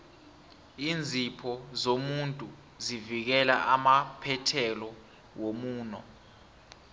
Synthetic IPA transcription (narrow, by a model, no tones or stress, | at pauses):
iːnd͡zʱipʰɔzomuntʼu | zivik̬ɛla̰ʔamapʰɛtʰɛlɔ | womuːnɔ